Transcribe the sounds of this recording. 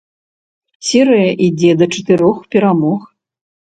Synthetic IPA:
sʲɛɾɨjɐʔid͡zʲɛd̪ɐt͡ʂɐt̪ɨɾɔxpʲɛɾamɔx

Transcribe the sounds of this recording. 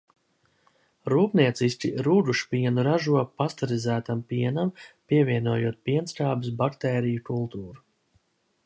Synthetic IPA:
ɾuːpniɛt̪sisʲcʲiɾuːd̪uʃpiɛnuɾaʒuɔpast̪aɾizæːt̪ampiɛnampiɛvʲiɛnuɔjuɔt̪̚piɛnskaːbɨs̬bakt̪ɛːɾijukulˠt̪uːɾu

